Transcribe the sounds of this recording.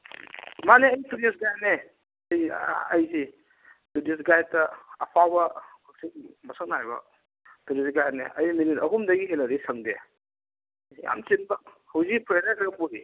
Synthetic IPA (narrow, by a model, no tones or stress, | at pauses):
maneɐjtudesɡajne | ɐjɐjzi | tudis̬ɡaj̚tɐːpʰabɐkuksiŋmɐsɐk̚najbɐ̰ | tuɾisɡajnḛʔɐjminitɐɦumdɐɡiɦenɐɾisɐŋdḛ | ja̰mt͡ʃinbɐ | hɐwzipʰɾeɾakɡɐpuɾi